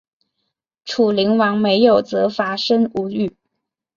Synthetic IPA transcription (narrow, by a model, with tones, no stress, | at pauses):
ʈ͡ʂʰu˨˩li˧˥ŋwɑ˧˥ŋme˧˥ɪjo˨˩ʊt͡sɤ˧˥fa˧˥ʂə˥ŋu˧˥y˥˩